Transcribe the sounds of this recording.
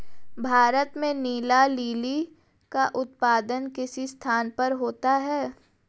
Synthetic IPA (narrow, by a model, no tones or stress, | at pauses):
bʱaːɾət̪mẽniːlaliːli | kaʔʊt̪̚paːd̪ənkɪsist̪ʰaːnpɐɾɦoːt̪aɦɛː